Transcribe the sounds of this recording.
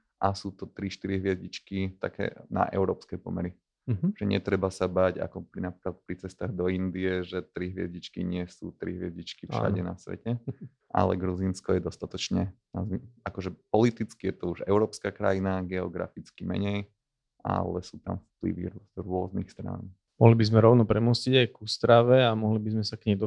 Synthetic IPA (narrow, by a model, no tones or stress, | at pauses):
ʔasuːt̪ɔt̪ɾiʃt̪iɾiɦʋɪɛzɟit͡ʃkit̪akʰɛ̰ːna̰ʔɛ̰ʊɾɔːpskɛjpɔmɛɾi | ʒ̥ɛɲɛt̪ɾɛbasabaɟa̰kɔpnapɾiklat̪̚pɾit͡sɛst̪aːɣd̪ɔind̪iɛʒɛt̪ɾiɦʋɪɛzɟit͡ʃkiɲɪɛsṵːt̪ɾḭɦʋɪɛzɟit͡ʃkifʃa̰ɟɛnasʋɛ̰cɛ | ʔa̰lɛ̰ɡɾuzinskɔjɛd̪ɔst̪at̪ɔt͡ʃɲɛnazakɔʒɛpɔlit̪it͡skijɛt̪ɔuʒɛ̰ʊɾɔːpskakɾajinaɡɛɔ̰ɡɾa̰fit͡skimɛ̰ɲɛj | ʔa̰lɛsuːt̪a̰mfplḭʋḭɾɾʊɔznixst̪ɾa̰n | mɔɦlibizmɛɾɔʊnɔpɾɛmusiɟajkust̪ɾaʋɛamɔɦlibizmɛsakɲɛmd̪ɔ